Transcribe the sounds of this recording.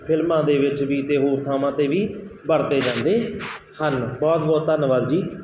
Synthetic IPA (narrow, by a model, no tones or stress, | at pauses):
pʰɪlmãːd̪eːʋɪt͡ʃʋiːt̪eːɦoːɾt̪ʰaːmãːt̪eːʋiːbəɽt̪eːd͡ʒãːnd̪eː | hənbɔːt̪bɔːt̪ːənʋaːd̪d͡ʒiː